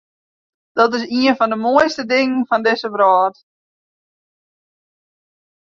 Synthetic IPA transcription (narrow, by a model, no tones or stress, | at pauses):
d̥ɔtɪs̬iənfɔndəmoəjstədɪŋnfɔndɪsəbɾɔːt